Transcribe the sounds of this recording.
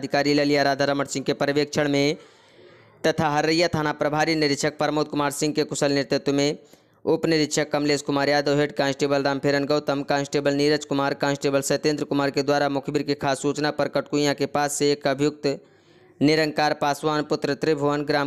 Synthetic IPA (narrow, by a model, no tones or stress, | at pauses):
d̪ʱikaːɾiləlijaɾaːd̪ʱaɾəməʈsɪ̃ŋɡkepɾʋek̚t͡ʃʰəɽ̃mẽ | t̪ət̪ʰaɦəɾəjat̪ʰaːnapɾəbʱaːɾinɪɾɪt̪ʃʰək̚pəɾmoːt̪̚kʊmaːɾsɪ̃ŋɡ̚kekʊsəlnɪɾt̪ɪt̪wəmẽ | ʊpnɪɾɪt̪ʃəkːəmleːskʊmaːɾjaːd̪əʋɦeʈ̚kãːnsʈeːbəlɾaːmpʰeɾənɡəʊt̪əmkãːnsʈeːbəlniɾət͡ʃkʊmaːɾkãːnsʈeːbəlsəɪt̪ẽːnd̪ɾəkʊmaːɾked̪waːɾamʊkʰbiɾkekʰaːsːut͡ʃnapəɾkəʈkujãkepaːsːeekəbʱjʊk̚t̪ | nɪɾəŋkaːɾpaːswaːnpʊt̪ɾət̪ɾibʱoʋənɡɾaːm